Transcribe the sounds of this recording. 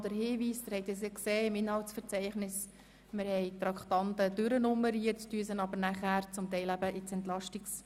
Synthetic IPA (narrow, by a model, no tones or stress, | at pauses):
d̥əɾɦiːʋiːstəhɛɪt̪esekseːɪmɪnhɑltsfəɾt͡sɛɪχnɪs | mɪɾhɛɪt̪ɾɑkχt̪ɑntədʏɾənʊmːəɾiət͡styːəsənɑbəɾnæχæːɾt͡sʊmt̪ɛɪlæbəʔɪt͡sɛnt̪lɑʃtɪks